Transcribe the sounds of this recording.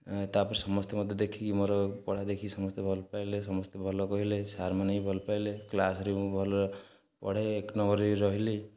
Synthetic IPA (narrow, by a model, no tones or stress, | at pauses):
t̪apɔɾisɔmɔst̪emɔd̪ʱjɔd̪ekʰikimoɾɔpɔɽ̤ad̪ekʰisɔmɔst̪ebʱɔlpajlesɔmɔst̪ebʱɔlɔkɔɦilesaɾmanɔĩbʱɔlpajleklasɔɾiubʱɔlɔ | pɔ̰ɽ̤eːknɔɡɔɾiɾɔɦile